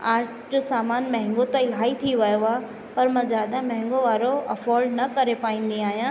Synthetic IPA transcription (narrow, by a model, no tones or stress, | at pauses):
aːɾʈ | d͡ʑosaːmaːnmɐɦɪ̃ŋɡot̪ɐɪlɦaːit̪ʰiʋɐjoaː | pɐɾmãːzjaːd̪amɐ̃ɦɪ̃ŋɡoʋaːɾoɐfɔːlɖnɐkɐɾepaːĩːn̆d̪iaːɦijãː